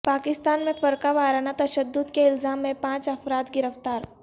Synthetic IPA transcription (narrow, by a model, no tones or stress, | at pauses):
paːkɪst̪aːnmẽfɐɾkaʋaːɾanat̪ɐʃəd̪ːʊd̪keɪlzaːmːẽpãːt͡ʃɐfɾaːt̪ɡɪɾəft̪aːɾ